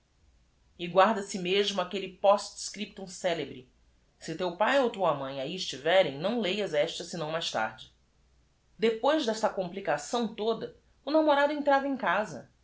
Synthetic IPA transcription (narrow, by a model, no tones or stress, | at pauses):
ɪɡwaɾd̪ɐsɪmeʒmʊakelɪpɔst͡ʃskɾip̚t̪õsɛlebɾɪ | sɪt̪ewpajowt̪uɐmɐ̃j̃aiɪʃt͡ʃivɛɾẽj̃nɐ̃w̃lejɐzɛʃt̪ɐsɪnɐ̃w̃majʃt̪a̰ɾd͡ʒɪ | d̪epojʒd̪ɛst̪ɐkõmplikasɐ̃w̃t̪od̪ɐ | ʊnamoɾad̪ʊẽnt̪ɾavɐẽj̃kazɐ̰